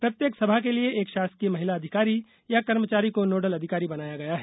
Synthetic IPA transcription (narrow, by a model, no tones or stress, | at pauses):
pɾɐt̪jeːksɐbʱakelieʔeːkʃaːsk̪iemɐɦɪlaɐd̪ʱɪkaːɾi | jakɐɾmət͡ʃaːɾikonoːɖəlɐd̪ʱɪkaːɾibɐnaːjaɡɐjaɦɛː